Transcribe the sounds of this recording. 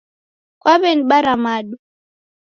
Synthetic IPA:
kwaβɛniɓaɾamaɗu

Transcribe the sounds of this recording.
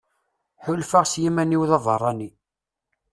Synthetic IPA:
ħʊlfaʁsjimæniwðɑðˤə̰rˤːɑni

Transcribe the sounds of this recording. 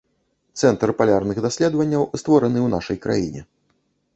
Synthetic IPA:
t̪sɛnt̪rpalʲarnɨxd̪asʲlʲɛd̪vɐnʲːɐwst̪vɔɾɐnɨwna̰ʂɐjkɾa̰jinʲɛ̰

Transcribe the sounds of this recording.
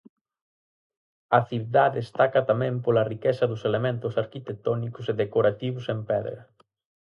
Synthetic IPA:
ɐθiβðaðest̪akɐt̪amɛ̃mpolɐrikɛsɐðʊselemẽnt̪ʊsaɾkit̪ek̚t̪ɔnikʊseðekoɾat̪iβʊsempɛðɾɐ̰

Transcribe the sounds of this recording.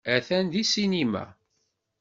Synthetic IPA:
æθænd̪isinimæ̰

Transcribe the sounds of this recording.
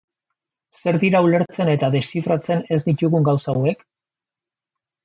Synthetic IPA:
se̞ɾðiɾaule̞ɾt͡se̞ne̞t̪aðe̞sifɾat͡se̞ne̞zd̪it̪uɣuŋɡawsaːwe̞k

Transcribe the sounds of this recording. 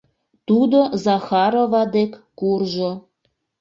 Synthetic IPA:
t̪ud̪ozɑxɑɾovɑd̪ekːkurʒo

